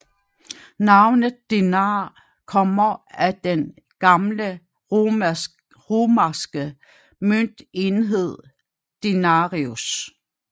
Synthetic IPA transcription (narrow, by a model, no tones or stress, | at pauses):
nɑ̈ʊnəð̩ˠd̥enɑː | kʰɒ̽m̰ɐæd̥en | ɡ̥ɑ̈mlə | ʁoːmæsɡ̥ə | møn̰d̥e̝nɦe̝ð̞̰ˠ | d̥e̝nɑʁius